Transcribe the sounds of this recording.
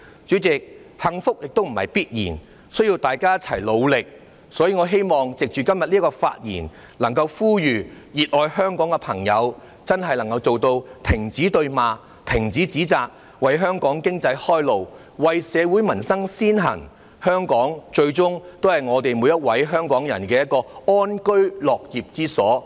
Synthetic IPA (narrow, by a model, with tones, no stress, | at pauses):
t͡ʃyː˨˥t͡sɪ˨k̚hɐ˨ŋfʊ˥k̚jɪ˨k̚t̪o˥wm̩˨˩hɐ̰˨jpiː˥t̚jḭː˨˩n | sɵ˥ɥji˧wt̪aː˨jkaː˥jt͡sʰɐ̰˨˩jlo˨˧wlɪ˨k̚ | sɔː˨˥jiː˨ŋɔː˨˧ɦe˥jmɔː˨ŋt͡sɪ˨k̚t͡ʃyː˨˩kɐ˥mjɐ˨t̚liː˥kɔː˧fa̰ː˧t̚jḭː˨˩n | lɐ˨˩ŋkɐ˧wfuː˥jyː˨ | jiː˨t̚lɔː˨jhœː˥ŋkɔː˨˥ŋkɛ˧pʰɐ˨˩ŋjɐ˨˧w | t͡sɐ˥nɦɐ˨jlɐ˨˩ŋkɐ˧wt͡so˨wt̪o˧wt̪ʰɪ˨˩ŋt͡siː˨˥t̪ɵ˧ɥmaː˨˧ | t̪ʰɪ˨˩ŋt͡siː˨˥t͡siː˨˥t͡saː˨k̚ | wɐ˨jɦœː˥ŋkɔː˨˥ŋkɪ˥ŋt͡sɐ˧jhɔː˥jlo˨w | wɐ˨jsɛː˨˧wuː˨˥jmɐ˨˩nsɐ˥ŋsiː˥nɦɐ̰˨˩ŋ | hœː˥ŋkɔː˨˥ŋt͡ʃɵ˧ɥt͡sʊ˥ŋt̪o˥whɐ˨jŋɔː˨˧t̪e˨jmuː˨˧jɐ˥t̚wɐ˨˥jɦœː˥ŋkɔː˨˥ŋjɐ˨˩nkɛː˧jɐ˥t̚kɔː˧ɔː˥nkɵ˥ɥlɔː˨k̚jiː˨p̚t͡siː˥sɔː˨˥